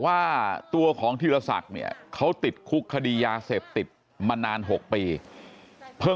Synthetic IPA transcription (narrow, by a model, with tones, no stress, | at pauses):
waː˥˩t̪u˧ɐkʰɔː˩˦ŋt̪ʰiː˧˩ɾa˧sa̰˨˩k̚ni˥˩ɐkʰa˦˥wt̪i˨˩t̪̚kʰu˦˥kʰːa˧diː˧jaː˧seː˨˩p̚t̪i˨˩t̪̚ | maː˧naː˧nɦo˨˩k̚piː˧ | pʰɤ˥˩